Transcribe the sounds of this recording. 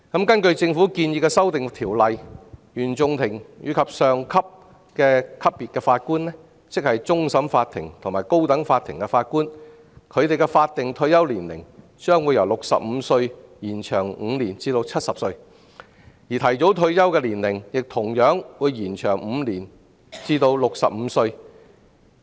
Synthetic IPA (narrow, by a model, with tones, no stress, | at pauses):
kɐ˨˥mkɐ˥nkɵ˧ɥt͡sɪ˧ŋfuː˨˥kiː˧njiː˧kɛː˧sɐ˥wt̪ɪ˨ŋt̪ʰiː˨˩wlɐ˨jjyː˨˩nt͡sʊ˨˧ŋt̪ʰɪ˨˩ŋjy̰ː˨˧kʰɐ˨p̚sœː˨ŋkʰɐ˥p̚ | kɛː˧kʰɐ˥pːiː˨t̚kɛː˧faː˧t̚kuː˥nɛ˥ | t͡sɪ˥k̚hɐ˨jt͡sʊ˥ŋsɐ˨˥mfaː˧t̪ʰːɪ˨˩ŋt̪ʰʊ˨˩ŋmaː˨˩jko˥wt̪ɐ˨˥ŋfaː˧t̪ʰɪ̰˨˩ŋkɛ˧faː˧t̚kuː˥n | kʰɵ˨˧ɥt̪e˨jkɛ˧faː˧t̚t̪ɪ˨ŋt̪ʰɵ˧ɥjɐ˥wliː˨˩nlɪ̰˨˩ŋ | t͡ʃœː˥ŋwu˨˧jɐ˨˩wlʊ˨k̚sɐ̰˨p̚m̩˨˧sɵ˧ɥjiː˨˩nt͡ʃʰœː˨˩ŋ̩˨˧liː˨˩nt͡siː˧t̪o˧wt͡sʰɐ˥t̚sɐ˨p̚sɵ˧ɥ | jiː˨t̪ʰɐ˨˩jt͡so˨˥wt̪ʰɵ˧ɥjɐ˥wkɛː˧liː˨˩nlɪ˨˩ŋjɪ˨k̚t̪ʰʊ˨˩ŋjœː˨˥ŋwuː˨˧jːiː˨˩nt͡ʃʰœː˨˩ŋm̩˨˧liː˨˩n | t͡siː˧t̪o˧wlʊ˨k̚sɐ˨p̚m̩˨˧sɵ˧ɥ